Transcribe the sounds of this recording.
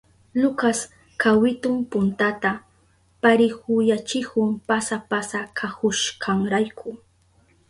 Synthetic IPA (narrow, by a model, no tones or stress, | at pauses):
lʊkas | kʰawɪt̪ʊmpʊnt̪at̪a | paɾɪhʊjat͡ʃɪkʊmpasapasakʰahʊʃkʰaŋɾajkʰʊ